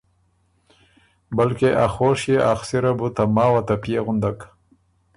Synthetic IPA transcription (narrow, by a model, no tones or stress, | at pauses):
balkeʔaxoʃjeʔaxsɪɾabut̪amɑːwat̪apjeɣʊnd̪ak